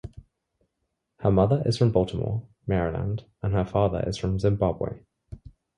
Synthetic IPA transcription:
həmʌðəɹʔɪ̰z̥fɹə̃mbɒlˠtʰəmɔ̰ː | mɛɹɪlã̰nd | ə̃nəfɑːðə̰ɹʔɪ̰z̥fɹə̃mzɪ̃mbɑːbwɛ̰ɪ

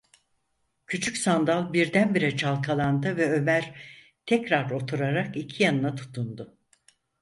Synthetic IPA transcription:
cʰyt͡ʃʰycsand̪alˠbiɾd̪ænbiɾɛt͡ʃʰalˠkʰalˠand̪ɯvɛø̞mæɾ | t̪ʰɛcɾaɾo̞t̪ʰuɾaɾakicʰijanɯnat̪ʰu̥t̪ʰund̪ʊ

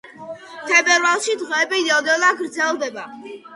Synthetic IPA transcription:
t̪ʰɛbɛɾvalˠʃid̪ʁɔɛbid̪ɛɔd̪ɛlˠaɡɾd̪zɛlˠd̪ɛba

